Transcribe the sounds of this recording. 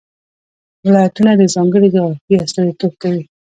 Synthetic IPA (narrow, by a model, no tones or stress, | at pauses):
wɪlɑjat̪unad̪əzɑŋɡəɽiɡ̪aafiast̪ɑd̪it̪ob̚kawi